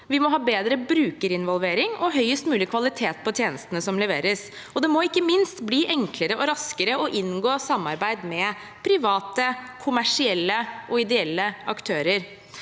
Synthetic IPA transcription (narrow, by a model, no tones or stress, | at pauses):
ʋɪmɔɦɑːbeːd̪ɾəbɾʉːkəɾɪnʋɔlʋeːɾɪŋɔɦœʏəst̪mʉːlɪkʰʋɑlɪt̪ʰeːt̪̚pʰɔt̪ʰjeːnəst̪ənəsɔmlɛʋeːɾəs | ɔd̪ɛmɔɪkːəmɪnst̪bliːʔɛŋkləɾəʔɔɾɑskəɾəɔʔɪnɡoːsɑmːɑɾbæɪd̪mɛ | pʰɾɪʋɑːt̪əkʰʊmæʂɪɛlːəʔɔɪd̪ɛɛlːəɑkt̪ʰøːɾəɾ